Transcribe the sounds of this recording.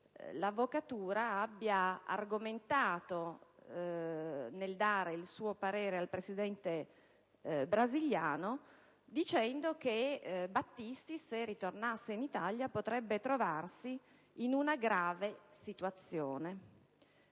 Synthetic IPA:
lavːokat̪uːɾaabːjaa̰rɡoment̪aːt̪o | neld̪aːɾeilsuːopaɾeːɾealpɾesid̪ɛnt̪e | bɾaziljaːno | d̪it͡ʃɛnd̪okebat̪ːist̪iserːit̪ornasːeinit̪aljapot̪ɾɛbːet̪ɾovarsiː | nunaɡɾaːvesit̪uat̪sːjoːne

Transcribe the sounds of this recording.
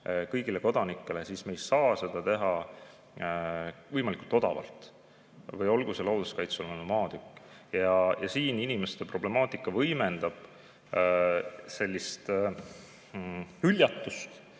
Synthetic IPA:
kɤjɡile̞ko̞d̪̥ɑnikːˑe̞le̞sisme̞ːjsɑːse̞d̪̥ɑt̪e̞ɦɑ | vɤjmɑlʲikult̪ːo̞d̪̥ɑ̰vɑ̰lt̪ːˑ | vɤjo̞lɡ̥uselɑwd̪uskɑjt̪solnunumɑːd̪̥ykːˑjɑjɑsiːninimest̪epro̞ble̞mɑːt̪ˑikːˑɑvɤjme̞nd̪ɑb̥ | se̞lʲːist̪ | ylʲjɑt̪ːust̪

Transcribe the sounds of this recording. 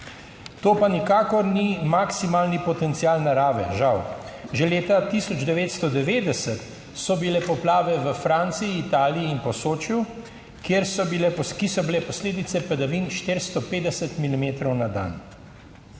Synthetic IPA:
t̪oːpanikaːkɔɾnimaksimaːlnipɔt̪ɛnt̪siaːlnaɾaːʋɛ̰ʒawʒɛleːt̪at̪isɔd͡ʒd̪ɛʋeːt̪st̪ɔd̪ɛʋeːd̪ɛsət̪ | sɔbilɛpɔplaːʋɛʋəfɾant̪siiːt̪aːliiːnpɔsoːt͡ʃju | kjeɾsɔbilɛkisɔbilɛpɔsleːd̪it̪sɛpɛd̪aʋinʃt̪eːɾst̪ɔpeːd̪ɛsɛt̪milimeːt̪ɾɔwnad̪a̰n

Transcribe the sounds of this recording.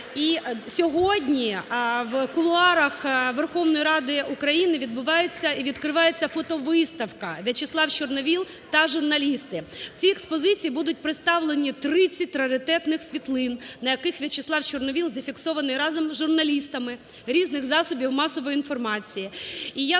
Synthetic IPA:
isʲɔɦɔdʲnʲiʋkʊlˠʊɑɾɐxʋerxɔʋnɔjiɾɑd̪ɪukɾɐjinɪʋʲid̪bʊʋɑjet͡sʲːɐiʋʲid̪kɾɪʋɑjet͡sʲːɐfɔt̪ɔʋɪst̪ɐwkɐʋʲɐt͡ʃeslˠɑwt͡ʃɔrnɔʋʲilˠ | t̪ɐʒʊrnɐlʲist̪ɪt͡sʲiekspɔzɪt͡sʲijibud̪ʊt̚ʲpɾɪt̪st̪ɑʋlˠenʲit̪ɾɪt͡sʲɐt̪ʲɾɐɾʲɪt̪ɛt̪nɪxsʲʋʲit̪lˠɪnnɐjɐkɪxʋʲɐt͡ʃeslˠɑwt͡ʃɔrnɔʋʲilˠzɐfʲiksɔʋɐnɪjɾɑzɐmʒʊrnɐlʲist̪ɐmɪ | ɾʲiznɪɣzɑsʊbʲiwmɑsɔʋɔjinfɔrmɑt͡sʲijiija

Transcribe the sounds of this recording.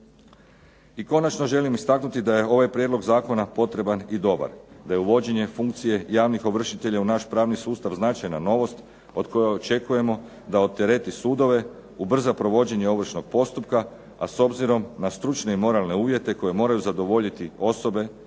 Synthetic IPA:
iko̞nat͡ʃno̞ʒe̞limist̪aknut̪id̪aje̞o̞ʋajpɾʲjed̪lˠo̞ɡzaːko̞napo̞t̪ɾe̞banid̪o̞ba̰ɾd̪aje̞uʋo̞d͡ʑe̞ɲe̞fuŋkt̪sije̞jaːʋnixo̞ʋr̩ʃit̪e̞ʎaunaʃpɾaːʋnisuːst̪aʋznat͡ʃajnano̞ʋo̞st̪ | o̞d̪ko̞jeot͡ʃe̞kuje̞mo̞ | d̪aot̪eɾe̞t̪isuːd̪o̞ʋe̞ | ubr̩zapɾo̞ʋo̞d͡ʑe̞ɲeo̞ʋr̩ʃno̞ɡ̥̚po̞st̪up̚ka | aso̞bziɾo̞mnast̪ɾut͡ʃne̞imo̞ɾalˠne̞uːʋje̞t̪e̞ko̞je̞mo̞ːɾajuzad̪o̞ʋo̞ʎit̪io̞so̞be̞

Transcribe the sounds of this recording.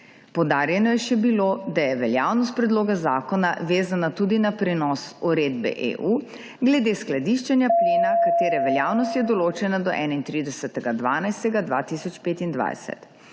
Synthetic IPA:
powd̪aːɾjɛnɔjɛʃɛbilod̪ajɛʋɛljawnɔst̪̚pɾɛd̪loːɡazaːkɔnaʋeːzanat̪uːd̪inapɾɛnɔsuɾed̪bɛ̰ʔḛʔuː | ɡlɛd̪esklad̪iʃt͡ʃɛnjapleːnakat̪eːɾɛʋɛljaːwnɔst̪jɛd̪ɔloːt͡ʃɛnad̪ɔʔɛːnaint̪ɾid̪ɛsət̪ɛɡad̪ʋaːnajst̪ɛɡad̪ʋa̰t̪isɔt͡ʃpeːt̪ind̪ʋa̰jsɛ̰t̪

